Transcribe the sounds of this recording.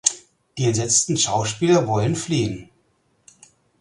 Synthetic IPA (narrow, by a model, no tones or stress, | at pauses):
d̥iːɛz̥ɛt͡stn̩ʃaʊʃpiːlɐvɔlənfliːən